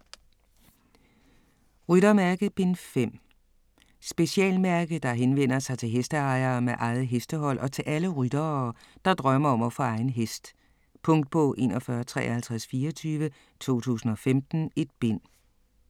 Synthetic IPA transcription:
ʁyd̥ɐmæɐɡ̥əb̥e̝nfem̰ | sb̥e̝ɕiɛ̰ːlmæɐɡ̥əd̥ɑ̈ɦenʋen̰ɐsɑ̈ɪt͡sʰe̝ɦesd̥əɑ̈ɪɐːmeʔɑ̈ɪð̩ˠɦesd̥əɦɒ̽l̰ʔɒ̽t͡sʰe̝lʔæləʁyd̥ɐd̥ɑ̈d̥ʁɶmɐɒ̽mɒfɒɑ̈ɪn̩ɦesd̥ | pʰɔ̽ŋ̰d̥̚b̥ɔ̽ːʔe̝ːnɒfɶɐt͡sʰʁɛ̰ːɐhælt͡sʰʁasfiːɒt͡sʰyːʋə | t͡sʰo̝̰ːt͡sʰṵːsn̩ɒ̽femd̥n̩e̝d̥̚b̥e̝n̰

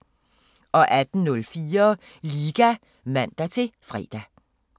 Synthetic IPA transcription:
ʔɒ̽ʔæd̥n̩ːɔlfiːɐ | liːɡ̥æ | ʋæn̰d̥æt͡sʰe̝fʁɛ̰ːd̥æ

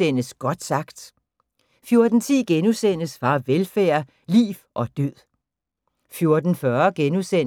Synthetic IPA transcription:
en̰əsɡ̥ɒ̽d̥sɑ̈ɡ̥d̥ | fjo̝ɐd̥n̩t͡sʰḭːɡ̥enusen̰əsʋɑ̈ʋelfæ̰ːɐ | lḭːʋʔɒ̽d̥øð̰ˠ | fjo̝ɐd̥n̩fɶɐɡ̥enusen

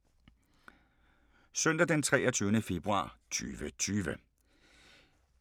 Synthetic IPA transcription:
søn̰d̥æd̥ent͡sʰʁɛ̰ːɒt͡sʰyːʊnəfe̝b̥ʁuɑ̰̈ːt͡sʰy̰ːʋət͡sʰyːʋə

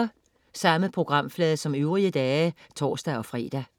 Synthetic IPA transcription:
ɐ | sɑ̈məpʰʁo̝ɡ̥ʁɑ̈m̰flɛːðˠsɒ̽møʊʁiəd̥ɛːt͡sʰɒ̰ːsd̥æɒ̽fʁḭːd̥æ

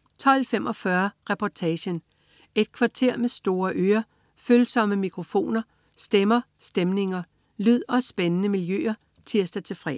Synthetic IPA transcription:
t͡sʰɒ̽l̰femʔɒ̽fɶɐʁɛpʰɒt͡sʰɛɕən | ʔe̝d̥̚kʰʋɑ̈t͡sʰe̝ɐ̰mesd̥o̝ːɐʔøːɐ | følsɒ̽məmikʰʁo̝fo̝̰ːnɐ | sd̥emɐ | sd̥emne̝ŋɐ | lyð̰ˠɒ̽sb̥enənəmiljø̰ːɐ | t͡sʰiɐsd̥ɐt͡sʰe̝lfʁɛ̰

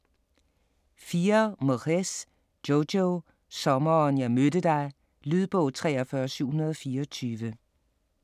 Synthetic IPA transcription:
fiːɐmoʁes | od̥o | sɒ̽mɐnjɑ̈ɪmødəd̥ɑ̈ɪ | lyðˠb̥ɔʊt͡sʰʁɛ̰ːɐfɶɐsyʊhunɐð̞ˠɒ̽fiːɐɒt͡sʰyːʋə

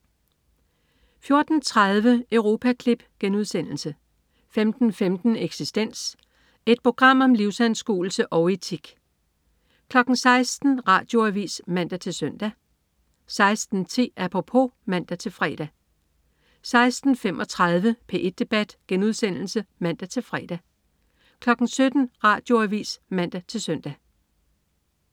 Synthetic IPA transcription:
fjo̝ɐd̥n̩t͡sʰʁað̞ˠʋəʔøʊʁo̝ːpʰækʰlib̥ɡ̥enuðˠsen̰l̩sə | femd̥n̩femd̥n̩eɡ̥sisd̥en̰s | e̝d̥̚pʰʁo̝ɡ̥ʁɑ̈m̰ɒ̽mliʊsænsɡ̥ṵːl̩səʔɒ̽ʊet͡sʰiɡ̥ | kʰlɒ̽ɡ̥n̩sɑ̈ɪsd̥n̩ʁɑ̰̈ːd̥jo̝æʋḭːsmæn̰d̥æt͡sʰe̝lsœn̰d̥æ | sɑ̈ɪsd̥n̩t͡sʰe̝̰ːæpʰʁopʰo̝mæn̰d̥æt͡sʰe̝lfʁɛ̰ːd̥æ | sɑ̈ɪsd̥n̩fem̰ʔɒ̽t͡sʰʁɑð̞ˠʋəpʰe̝ʔed̥̚ːe̝b̥æd̥ɡ̥enuðˠsen̰l̩səmæn̰d̥æt͡sʰe̝lfʁɛ̰ːd̥æ | kʰlɒ̽ɡ̥n̩sød̥n̩ʁɑ̰̈ːd̥jo̝æʋḭːsmæn̰d̥æt͡sʰe̝lsøn̰d̥æ

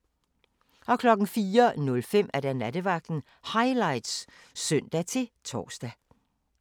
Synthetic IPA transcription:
ʔɒ̽kʰlɒ̽ɡ̥n̩fiːɐnɔ̽lfem̰æɐɾ̥ænæd̥əʋɑ̈ɡ̥̚d̥n̩ | hɑ̈ɪlɑ̈ɪd̥s | sœn̰d̥æt͡sʰe̝t͡sʰɒ̰ːsd̥æ

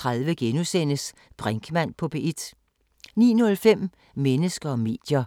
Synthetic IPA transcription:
t͡sʰʁaðˠʋəɡ̥enusen̰əs | b̥ʁaŋɡ̥ʰmæn̰pʰɒ̽b̥eʔid̥ | nḭːnɔ̽lfem̰ | menəsɡ̥ɐɒ̽me̝̰ːd̥jɐ

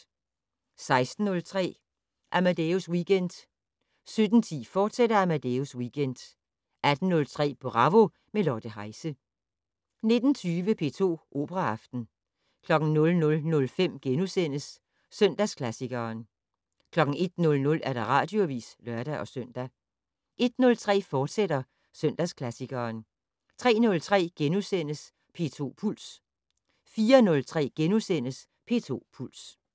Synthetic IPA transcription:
sɑ̈ɪsd̥n̩ːɔ̽lt͡sʰʁɛ̰ː | ʔæmæd̥euswiːɡ̥en̰d̥ | sød̥n̩t͡sʰḭːfɒːd̥sed̥ɐæmæd̥euswiːɡ̥en̰d̥ | æd̥n̩ːɔ̽lt͡sʰʁɛ̰ːpʰɒ̽ʁɑ̈ʋo̝ | melɒːd̥əɦɑ̈ɪsə | ne̝d̥n̩t͡sʰyːʋəpʰe̝̰ːt͡sʰo̝̰ːʔo̝̰ːb̥əʁɑɑfd̥n̩ | kʰlɒ̽ɡ̥n̩nɔ̽lnɔ̽lnɔ̽lfem̰ɡ̥enusen̰əsː | œn̰d̥æskʰlæsiɡ̥ɐːn | kʰlɒ̽ɡ̥ŋ̩e̝d̥nɔ̽lnɔ̽læɐɾ̥ɑ̈ʁɑ̰̈ːd̥jo̝ʋḭːslɶɐɾ̥æʔɒ̽søn̰d̥æ | ʔe̝d̥nɔ̽lt͡sʰʁɛ̰ːfɒːd̥seɾ̥ɐ | sœn̰d̥æskʰlæsiɡ̥ɐːn | t͡sʰʁɛ̰ːnɔ̽lt͡sʰʁɛ̰ːɡ̥enusen̰əs | pʰe̝̰ːt͡sʰo̝̰ːpʰul̰s | fiːɐnɔ̽lt͡sʰʁɛ̰ːɡ̥enusen̰əs | pʰe̝̰ːt͡sʰo̝̰ːpʰul̰s

